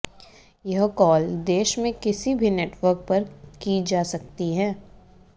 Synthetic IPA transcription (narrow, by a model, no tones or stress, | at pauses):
jɐɦkɔːld̪eːʃmẽkɪsibʱineːʈʋəɾk̚pɐɾkid͡ʒaːsɐk̚t̪iɦɛː